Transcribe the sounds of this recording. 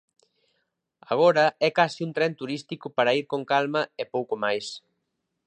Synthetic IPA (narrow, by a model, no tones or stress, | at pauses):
aɣ̞oɾɐɛkasiunt̪ɾɛnt̪uɾist̪ikʊpaɾɐiɾkoŋkalmɐepowkomajs